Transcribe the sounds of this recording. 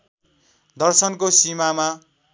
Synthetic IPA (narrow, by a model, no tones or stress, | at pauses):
d̪ʌrsʌnkosimama